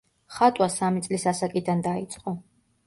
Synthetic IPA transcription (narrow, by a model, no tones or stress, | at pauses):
χat̪ʼwasamit̪sʼlisasakʼid̪and̪ait̪sʼqʼɔ